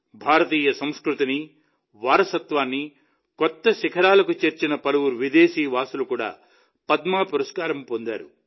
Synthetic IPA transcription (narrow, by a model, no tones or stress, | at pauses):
bʱaːɾɐt̪iːjɐsɐmskɾut̪ini | ʋaːɾɐsɐt̪ʋaːnːi | kɔt̪ːɐʃikʰɐɾaːlɐkut͡ʃeɾt͡ʃinɐpɐlɐwuɾʋid̪eːʃiːʋaːsulukuːɽa̰ː | pɐd̪maːpuɾɐskaːɾɐmpond̪a̰ːɾu